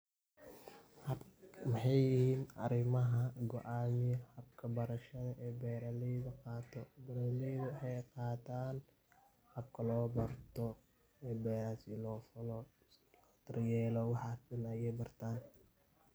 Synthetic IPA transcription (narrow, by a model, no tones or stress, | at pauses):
mɪħɑjɪhiːnʔɐ̰ɾɪmɐɦɐɡɔʔaːmɪjhɐbkʰɐbɐɾɐʃɐðɐʔɛːbɛːɾɐliːðɐqɑːt̪ʰɔbɐɾɐliðʊwħɑjqɑːt̪ʰaːn | hɐb̚kʰɐlɔːbɐrt̪ʰɔ | ɛːbɛːɾasilɔːfɐlɔ | lː | t̪ɪrjɛːlɔwɑħɑːɐnɐjɛjbɐrt̪ʰaːn